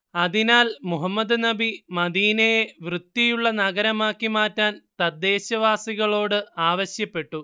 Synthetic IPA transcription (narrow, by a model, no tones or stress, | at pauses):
ɐðinaːlmuɦɐmːɐd̪ɨnɐbimɐd̪iːnɐjeʋrɨd̪ːijuɭːɐnɐɣɐɾɐmaːkːimaːtːaːnt̪ɐd̪ːe̞ːɕɐʋaːsiɣɐɭo̞ːɽɨaːʋɐɕjɐpːe̞ʈːu